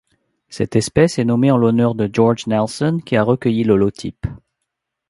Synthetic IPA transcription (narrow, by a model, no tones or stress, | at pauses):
sɛt̪ɛspɛsɛnɔmeɑ̃lɔnœʁd̪əʒɔʁʒnɛlsɔnkʲiaʁəkʲəjilɔlɔt̪ʰḭp